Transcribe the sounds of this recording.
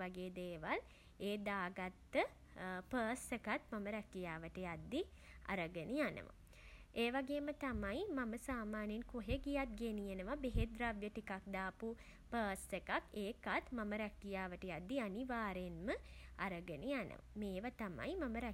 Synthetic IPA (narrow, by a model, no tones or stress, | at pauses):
aɡeːd̪eːʋal | eːd̪aːɡat̪ːə | pəːsekat̪maməɾækijaːʋəʈəjad̪ːi | a̰ɾəɡənijanə̰ʋa̰ | eːʋaɡeːmət̪amajmaməsaːmaːnenkoɦeɡijat̪̚ɡenijenəʋabeɦed̪ɾaʋjəʈikak̚d̪aːpu | pəːsekakeːkat̪maməɾækijaːʋəʈəjad̪ːianiʋaːɾenməaɾəɡənijanə̰ʋa̰meːʋat̪ama̰jmaməɾæ